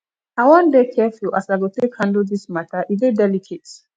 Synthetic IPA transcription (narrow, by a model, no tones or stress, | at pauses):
awɔ̃ndekʰɛfula̰saɪwiltekhãndl̩dismatʰəʔidedɛlikʰet